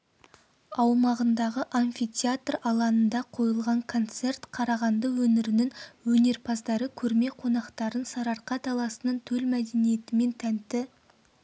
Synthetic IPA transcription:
ɑwmɑʁənd̪ɑʁəʔanʲfit̪ʲʰjat̪rɑlˠɑnənd̪ɑqʰo̞jəlˠʁɑŋkʰo̞nt̪se̞rt̪qʰɑɾɑʁɑnd̪əwɵnɪɾɪnɪŋwɵne̞ɾpʰɑzd̪ɑɾəkʲʰɵɾme̞qʰo̞nɑqt̪ɑɾənsɑɾɑɾqɑt̪ʰɑlˠɑsənəɴt̪ʰɵlmæd̪e̞nije̞t̪ɪme̞nt̪ʰænt̪ɪ

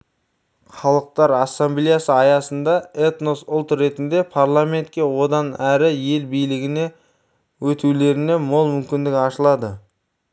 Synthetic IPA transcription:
χɑlˠəq̚t̪ɑɾɑsːamblijasəɑjɑsənd̪ɑet̪nosʊlˠt̪ɾe̞t̪ɪnd̪e̞pʰaɾlˠame̞nt̪̚kʲe̞wo̞d̪ɑnæɾɪje̞lbijlɪɡʲɪne̞ | wɵt̪ule̞ɾɪne̞mo̞lˠmʏmkʲɪnd̪ɪkʲɪɑʃəlˠɑd̪ə

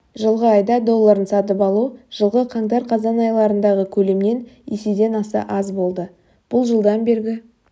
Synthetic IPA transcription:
ʒəlˠʁəɑjd̪ɑd̪o̞lˠːɑɾənsɑt̪̬əpɑlˠuʒ̥əlˠʁəqʰɑŋd̪ɑɾqʰɑzɑnɑjlˠɑɾənd̪ɑʁəkʲʰɵle̞mne̞nesed̪e̞nɑsɑ̰ʔɑzbo̞lˠd̪ə | b̥ʊlˠʒəlˠd̪ɑnbe̞ɾɡʲɪ

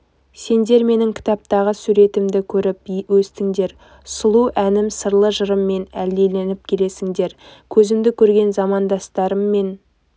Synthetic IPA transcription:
se̞nd̪e̞ɾme̞nɪŋkʲʰɪ̥t̪ɑp̚t̪ɑʁəsuɾe̞t̪ɪmd̪ɪkʲʰɵɾɪp̚wɵst̪ɪŋd̪e̞ɾ | sʊlˠuʔænɪmsəɾlˠəʒəɾəmːe̞næld̪e̞le̞nɪp̚kʲʰe̞le̞sɪŋd̪e̞ɾkʲʰɵzɪmd̪ɪkʲʰɵɾɡʲe̞nzɑmɑnd̪ɑst̪ɑɾəmːe̞n

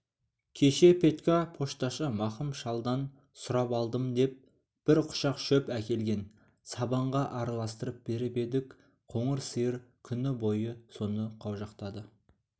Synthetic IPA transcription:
kʲʰe̞ʃe̞pʰʲe̞t̪kʲapʰo̞ʃt̪ɑʃəmɑχəmʃɑlˠd̪ɑn | sʊɾɑpɑlˠd̪əmd̪e̞p̚ | b̥ɪɾqʰʊ̥ʃɑqʃɵpækʲe̞lɡʲe̞n | sɑbɑɴʁɑʔɑɾɑlˠɑst̪əɾəp̚b̥e̞ɾɪpe̞d̪ɪk | qʰo̞ɴəɾsəjəɾkʲʰʏnɪbo̞jəso̞nəqʰɑwʒɑqt̪ɑd̪ə

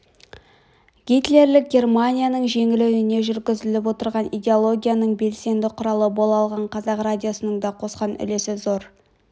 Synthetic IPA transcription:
ɡʲijt̪le̞ɾlɪk̚ɡʲe̞rmanʲijanəɴʒe̞ŋɪlwɪne̞ʒʏɾɡʲɪzɪlɪp̬wo̞t̪əɾʁɑnidʲe̞o̞lˠo̞ɡʲijanəɴbe̞lse̞nd̪ɪqʰʊɾɑlˠəbo̞lˠɑlˠʁɑɴqʰɑzɑqradʲijo̞sənəɴd̪ɑqʰo̞sqɑnʏ̰le̞sɪzo̞ɾ

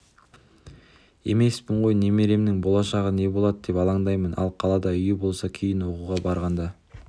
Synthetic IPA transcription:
e̞me̞spɪɴʁo̞jne̞me̞le̞mnɪŋbo̞lˠɑʃɑʁəne̞bo̞lˠɑd̪əd̪e̞pɑlˠɑɴd̪ɑjmənʔɑ̰lˠqʰɑlˠɑd̪ɑʏjɪbo̞lˠsɑkʲʰejɪnwo̞quʁɑbɑɾʁɑnd̪ɑ

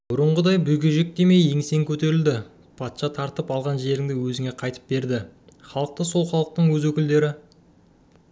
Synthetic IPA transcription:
b̥ʊɾəɴʁəd̪ɑjbʏjɡʲeʒek̚d̪eme̞jeŋɪse̞ŋkʲʰɵt̪e̞ɾɪld̪ɪ | pʰɑt̪ʃɑt̪ʰɑɾt̪əpɑlˠʁɑnʒe̞ɾɪŋd̪ɪwɵzɪŋe̞qʰɑjt̪ə̥p̚be̞ɾd̪ɪ | χɑlˠəq̚t̪əso̞lˠχɑlˠəq̚t̪əɴwɵzwɵkʲɪld̪e̞ɾɪ

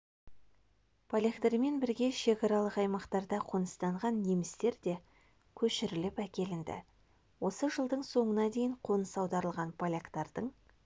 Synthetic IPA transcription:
pʰolʲekt̪eɾme̞nbɪɾɡʲe̞ʃe̞kɑɾɑlˠəqɑjmɑqt̪ɑɾd̪ɑqʰonəst̪ɑɴʁɑnːemɪst̪e̞ɾd̪e̞ | kʲʰɵʃɪɾɪlɪpækʲe̞lɪnd̪ɪ̰ | wo̞səʒəlˠd̪əɴso̞ɴənɑd̪e̞jɪɴqʰo̞nəsɑwd̪ɑɾəlˠʁɑnpʰolʲekt̪ɑɾd̪əɴ

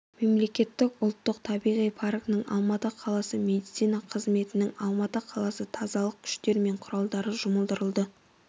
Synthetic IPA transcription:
me̞mle̞kʲe̞t̪ːɪkʊlˠt̪ːəq̚t̪ʰɑbijʁijpʰɑɾknəɴɑ̰lˠmɑt̪əqʰɑlˠɑsəme̞d̪it̪sijnɑqʰəzme̞t̪ɪnɪŋɑlˠmɑt̪əqʰɑlˠɑsət̪ʰɑzɑlˠəq̚kʲʰʏ̥ʃt̪e̞ɾme̞ɴqʰʊɾɑlˠd̪ɑɾəʒʊməlˠd̪əɾəlˠd̪ə

